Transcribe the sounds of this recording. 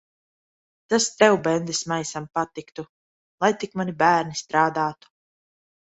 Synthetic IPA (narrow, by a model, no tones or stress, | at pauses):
t̪ast̪ɛwbɛnd̪ɛsmajsampat̪ikt̪u | lˠajt̪ikmanibæːɾnist̪ɾaːd̪aːt̪u̥